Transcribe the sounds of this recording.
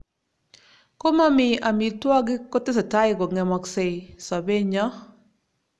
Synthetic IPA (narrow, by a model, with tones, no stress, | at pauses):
ko˦ma˦mɪ˨a˨mi˨twɔ˦ɡɪ˦ko˦tɪ˦s̬a˨ta˦ɪ˨ɡɔ˨ŋɛ˨mɔ˨kse˨sa˨be˦ɲɔ˦